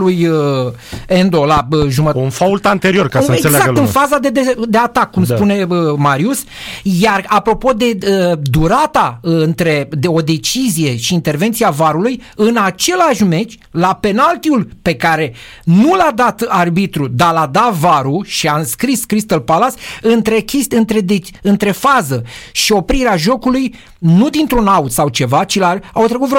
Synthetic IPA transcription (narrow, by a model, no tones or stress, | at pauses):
lujə | end̪o̞laəʒumət̪unfault̪ant̪eɾio̞rkaəneeɡezaakɡ̪ɨnfazad̪ed̪ed̪e̞at̪akːumspune̞əmaɾius | jarapɾo̞po̞d̪e̞əd̪uɾat̪aɨɨnt̪ɾe̞d̪eo̞d̪e̞t͡ʃizije̞ʃiːnt̪e̞rve̞nt̪siavaɾulujɨnat͡ʃe̞laʃme̞t͡ʃʲ | lape̞nalt̪iulpe̞kaɾe̞ | nulad̪at̪arbit̪ɾud̪alad̪avaɾuʃiaɨnskɾiskɾist̪əlpalasɨnt̪ɾe̞kʲest̪ɨnt̪ɾed̪eɨnt̪ɾe̞fazəʃio̞pɾiɾeaʒo̞kuluj | nud̪int̪ɾunaut̪sawt͡ʃe̞vat͡ʃilaawt̪ɾekut̪vɾ